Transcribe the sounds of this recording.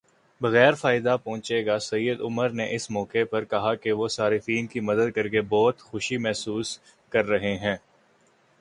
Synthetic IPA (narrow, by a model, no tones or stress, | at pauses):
bɐɣɛːɾfaːɪd̪apɔ̃ːt͡ʃeːɡasɐjːəd̪ʊməɾneʔɪsmɔːkepɐɾkɐɦakeʋosaːɾɪfiːnkimɐd̪əd̪̚kɐɾkebɔːt̪xʊʃimɛɦsuːs | kɐɾːɐɦeɦɛ̃ː